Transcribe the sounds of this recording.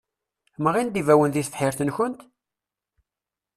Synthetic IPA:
məʁind̪ivæwənðiθθħɪɾθənçənt̪

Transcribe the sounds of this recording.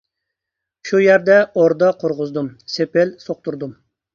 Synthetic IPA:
ʃujæɾd̪ɛoɾd̪ɑqʰoɾʁʊzd̪umsepɪlsoq̚t̪uɾd̪um

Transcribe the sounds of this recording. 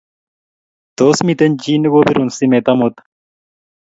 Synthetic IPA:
t̪oːsmit̪ɐnʲd͡ʑiːnɨɡobiɾunsimet̪ɐmot̪

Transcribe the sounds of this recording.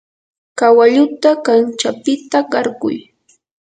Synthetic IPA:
kawaʎʊt̪akant͡ʃapɪt̪aɢɑɾɢʊ̰j

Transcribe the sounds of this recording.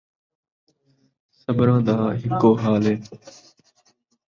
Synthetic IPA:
səbɾãːd̪aːɦɪkoːɦaːlɦeː

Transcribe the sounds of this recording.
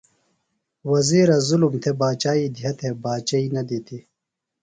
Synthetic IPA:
wɐziːɾɐzulumt̪ʰebaːt͡ɕaːid̪ʱijɐt̪ʰebaːt͡ɕɐinɐd̪it̪ʰi

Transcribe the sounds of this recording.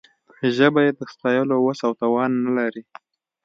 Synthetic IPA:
ʒəbajed̪əst̪ɑjəlowasawt̪ɑwɑnːalaɾi

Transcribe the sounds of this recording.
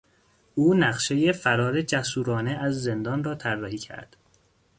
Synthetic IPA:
ʔuːnæχʃe̞je̞fæɾɒːɾe̞d͡ʒæsuːɾɒːneæzːend̪ɒːnrɒːt̪ʰæɾːɒːhiːcʰæ̰ɾd̪̥

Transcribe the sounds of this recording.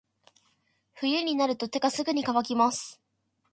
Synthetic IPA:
ɸɯ̟jɯ̟ɲ̟inaɾɯ̟t̪o̞t̪e̞ɡasɨɡɯ̟ɲ̟ikaβakʲimasɨ̥

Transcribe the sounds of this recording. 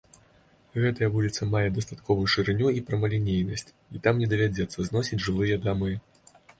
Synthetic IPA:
ɣɛt̪ɐjɐvulʲit̪sɐmajɛd̪ɐst̪at̪kɔvujuʂɨɾɨnʲuipɾɐmɐlʲinʲejnɐsʲt͡sʲ | it̪amnʲɛd̪ɐvʲad͡zʲɛt̪sːɐznɔsʲid͡zʲʐɨlˠɨjɐd̪amɨ

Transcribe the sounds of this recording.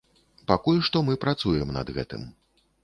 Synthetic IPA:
pakulʲʂt̪ɔmɨpɾat̪sujɛmnɐ̰d̪ɣɛ̰t̪ɨ̰m

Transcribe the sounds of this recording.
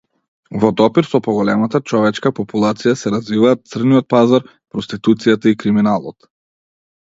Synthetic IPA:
vɔd̪ɔpiɾsɔpɔɡɔlɛmat̪at͡ʃɔvɛt͡ʃkapɔpulˠat̪sijasɛɾazvivaːt̪̚t̪sr̩nijɔt̪̚pazaɾ | pɾɔst̪it̪ut̪sijat̪aikɾiminalˠɔt̪

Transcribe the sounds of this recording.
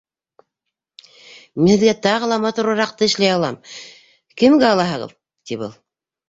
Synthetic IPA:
minhɘ̆ðɡæt̪ɑʁɤ̆lˠɑmɑt̪uɾɤɾɑq̚t̪ɤɘ̆ʃlæjɑlˠɑm | kɘ̆mɡæɑlˠɑɦɤʁɤ̰ð | t̪iβbɤ̰lˠ

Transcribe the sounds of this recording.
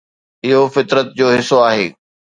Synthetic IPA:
ɪɦofɪt̪ɾət̪̚d͡ʑoːɦɪsoaːɦeː

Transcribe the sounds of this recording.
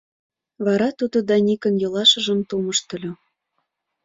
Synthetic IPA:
βɑɾɑt̪ud̪od̪ɑnʲikə̆njɤ̆lɑʃə̆ʒə̆mt̪uməʃt̪ə̆lʲo

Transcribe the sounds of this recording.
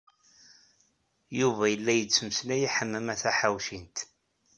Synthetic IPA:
juvæjəlːæjət͡sːəməsnæjiħəmːæmæθæħawʃint̪

